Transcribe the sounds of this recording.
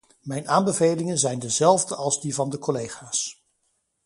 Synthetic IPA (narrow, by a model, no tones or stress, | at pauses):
mɛjnaːmbəvejlɪŋənzɛjndəzɛlˠvdəʔɑlˠzdivɑndəkolejχaːs